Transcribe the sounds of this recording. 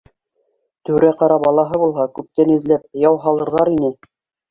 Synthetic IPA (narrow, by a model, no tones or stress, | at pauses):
t̪ʉ̆ɾæqɑɾɑbɑlˠɑɦɤbulˠɦɑkʉp̚t̪ænɘ̆ðlæp̚jɑwɦɑlˠɤ̆ɾðʁɑɾinɘ